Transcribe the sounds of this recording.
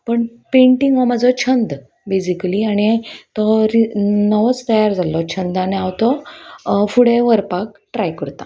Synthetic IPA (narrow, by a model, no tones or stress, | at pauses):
pəɳ | pẽɳʈiŋɡʋɔməd͡zɔt͡ɕʰənd̪ | besikəliaɽ̃it̪ɔɾinəʋət͡st̪əjaɾd͡zʱalɔt͡ɕʰənd̪aneawt̪ɔ | fuɽẽʋəɾpak̚ʈɾajkəɾt̪a